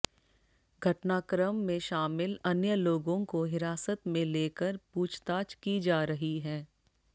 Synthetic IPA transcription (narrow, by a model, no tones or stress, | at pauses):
ɡʱɐʈnaːkɾəmːẽʃaːmɪlɐnjəloːɡõkoɦɪɾaːsət̪mẽleːkəɾpuːt͡ʃʰt̪aːt͡ʃkid͡ʒaːɾɐɦiɦɛː